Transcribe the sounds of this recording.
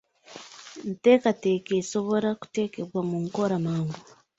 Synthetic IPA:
n̩te̞ːkate̞ːkeso̞βo̞ɾaku̥te̞ːkeβwamuŋkoɾamaːŋɡu

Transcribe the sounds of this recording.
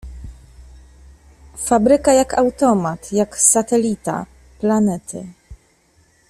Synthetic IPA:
fabɾɘkajakawt̪ɔmat̪jaksat̪ɛlʲit̪a̰ | planɛt̪ʰɘ̰

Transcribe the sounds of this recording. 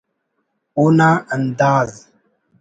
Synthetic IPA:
unaəndaz

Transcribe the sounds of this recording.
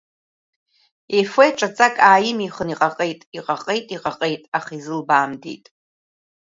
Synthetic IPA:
efejʈ͡ʂʼat͡sʼakʼaːjɪmiχəniqʼaqʼejtʼiqʼaqʼejtʼiqʼaqʼejtʼaχaizɨlbaːmdḛjtʼ

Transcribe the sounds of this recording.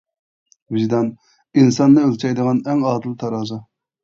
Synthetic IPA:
vizd̪ɑn | insɑnːɨølt͡ʃʰɑjd̪əʁɑnɛŋɑːd̪ɨlˠt̪ʰɑɾɑːzɑ

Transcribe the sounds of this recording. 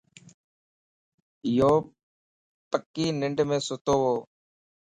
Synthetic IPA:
ɪjoː | pəkːiːnɪɳɖmẽːsʊt̪oːɦoː

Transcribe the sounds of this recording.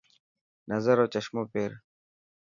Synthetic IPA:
nɐzəɾoːt͡ɕɐʃmoːpeːɾ

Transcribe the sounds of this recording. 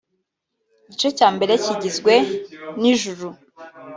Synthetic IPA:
ɟit͡ʃo̞caːmbe̞ɾe̞ciɟizɡwe̞niʒuɾu

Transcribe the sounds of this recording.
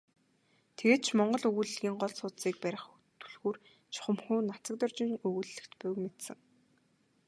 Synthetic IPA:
t̪ʰeɣeːt̪̚t͡ɕʰmɔɴɢɞ̆ɮɵɣuɮɣʲiːŋɢɔɮsʊːt̪siːk̚pæɾʲɪ̆χ | t̪ʰu̥ɮɣuːr | t͡ɕʰʊ̥χə̆mxuːnat͡sə̆k̚t̪ɔrt͡ɕɪ̆ŋɵɣuɮːɘ̆kt̪pʊwmet̪sɘ̆ŋ

